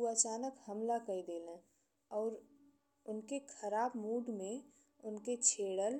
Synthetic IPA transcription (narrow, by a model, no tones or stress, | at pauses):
uat͡ʃaːnəkhəmlakəid̪eːlẽ | ɔːɾ | ʊnkekʰəɾaːbmuːɖmẽ | ʊnket͡ʃʰeːɽəl